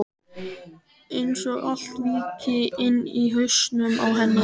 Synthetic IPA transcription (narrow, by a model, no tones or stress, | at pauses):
ejnsɔɣʔalt̪viːcɪɪnːiɦœɥsnʏma̰wɦɛnːɪ